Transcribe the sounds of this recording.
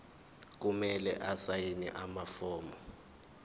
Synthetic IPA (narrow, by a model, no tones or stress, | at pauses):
k̬umɛlɛʔasajinḭʔamafɔːmɔ